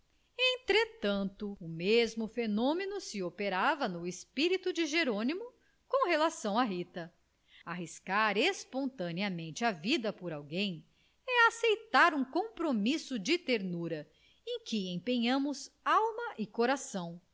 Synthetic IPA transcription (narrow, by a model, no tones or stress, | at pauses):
ẽt̪ɾet̪ɐ̃nt̪ʊːmezmʊfenõmenʊsɪopeɾavɐnʊespiɾit̪ud͡ʒɪʒeɾõnimʊ | kõw̃ɦelasɐ̃w̃aɦit̪ɐ | aɦiskaɾespõnt̪ɐniɐmẽnt͡ʃɪɐvid̪ɐpoɾawɡẽj̃ | ɛɐːsejt̪aɾũkõpɾomisʊd͡ʒɪt̪eɾnuɾɐ | ẽj̃kɪẽj̃pẽɲɐ̃mʊzawmɐʔɪkoɾasɐ̃w̃